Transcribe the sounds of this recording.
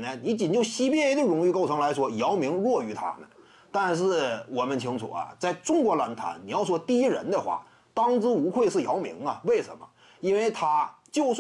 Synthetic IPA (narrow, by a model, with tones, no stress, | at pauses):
nə˧ni˧˥t͡ɕi˨˩nt͡ɕjo˥˩ʊɕi˥pjɛ˥˧˥d̪ə˧ɻʊ˧˥ŋy˥˧ko˥˩ʊʈ͡ʂʰɤ˧˥ŋla˧˥ɪʂwɔ˥jɑ˧˥ʊmi˧˥ŋɻwɔ˥˩y˧˥t̪ʰa̰˥nə̰˩ | t̪a˥˧nʂɻ̩˥˩wɔ˨˩mə˧˦nt͡ɕʰi˧˥ŋt͡sʰṵ˨˩ɐ̰˩t͡sa˥˩ɪʈ͡ʂʊ˥ŋkwɔ˧˥la˧˥nt̪ʰa̰˧˥nni˨˩jɑ˥˩ʊʂwɔ˥t̪i˥˧i˥ɻə̰˧˥nd̪ə˧xwa̰˥˩ | t̪ɑ˥ŋt͡sɹ̩˥u˧˥xʰwe˥˧ɪʂɻ̩˥˩jɑ˧˥ʊmḭ˧˥ŋɐ̰˨we˥˩ɪʂə̰˧˥nmə̰˧ | i˥nwe˥˩ɪt̪ʰa˥t͡ɕjo˥˧ʊs